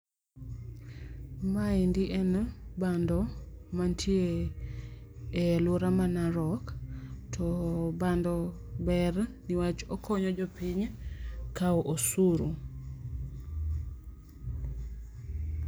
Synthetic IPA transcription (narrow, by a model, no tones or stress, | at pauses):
maindiʔɛnbandɔmantʰje | loɾamanaɾɔktʰɔbandɔ | bɛrniwat͡ʃɔkʰɔɲɔd͡ʒɔpiɲkaɔʔosuɾo